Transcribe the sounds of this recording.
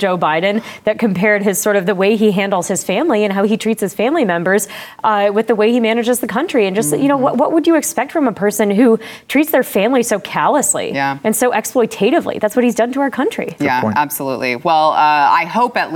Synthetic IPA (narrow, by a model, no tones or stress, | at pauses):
ʒ̥oʊbaɪdⁿn̩ðɨt̚kʰɨ̃m̩pʰɛɹd̚ɪz̥sɔɹɾʌvðəweɪiɦæ̃ndl̩ˠz̥hɨz̥fæ̃mliɨ̃nɦaʊitʰɹ̥itshɨz̥fæ̃mlimɛ̃mbə˞z̥ | wɨðəweɪimænɨd͡ʒɨzðɨkʰʌ̃nt͡ʃɹ̥iɨ̃nd͡ʒʌstjɨnoʊwʌʔ̚wʌʔ̚wəd͡ʒɨːkspɛk̚tfɹʌ̃məpʰɜ˞sɨ̃nɦutʰɹ̥itsðə˞fæ̃mlisoʊkʰælˠəslḭɨ̃nsoʊʔɛksplɔɪtʰeɪɾɨvlḭðætswʌt̚hizdʌ̃ntʰəaʊə˞kʰʌ̃nt͡ʃɹ̥ḭjææb̥səlṵtʔˡlḭwɛlˠʌa̰ɪhoʊpɨt